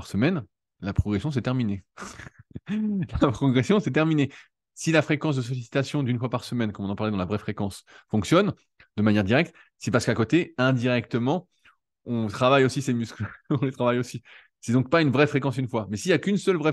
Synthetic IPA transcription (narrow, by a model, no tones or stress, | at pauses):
ʁsəmɛn | lapχɔɡʁesjɔ̃s̬ɛt̪ɛʁmine | lapχɔɡʁesjɔ̃sɛt̪ɛʁmine | silafχekɑ̃s̬d̪əs̬ɔlisi̥t̪asjɔ̃d̪ynfwapaʁsəmɛnkɔ̃mɔ̃nɑ̃paʁlɛd̪ɑ̃lavʁɛfχekɑ̃s | fɔ̃ksjɔn | d̪əmanjɛʁd̪iʁɛk̚t̪ | sɛpaʁsə̥kakot̪eɛ̃d̪iʁɛk̚t̪əmɑ̃ | ɔ̃t̪χavajosisemysklɔ̃let̪χavajosi | sɛd̪ɔ̃k̚paynvʁɛfχekɑ̃synfwamɛsijakynsœlvʁɛ